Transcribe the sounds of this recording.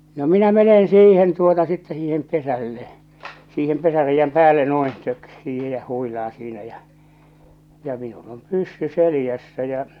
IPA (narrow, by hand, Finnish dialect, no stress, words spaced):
no minæ menen siːhen tuotɑ sitːɛ siːhem pesælːe siːhem pesæreijːæm pæːlːe no̝in tøk siːhe jɑ huilɑː siːnæ jɑ jɑ minul om pysːy selĭjæsːæ jɑ̟